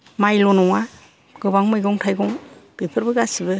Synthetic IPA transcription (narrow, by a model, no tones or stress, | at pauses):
majlɔnɔŋa | ɡɯbaŋmɯjɡɔŋtʰajɡɔŋb̥epʰɯɾbɯɡasibɯ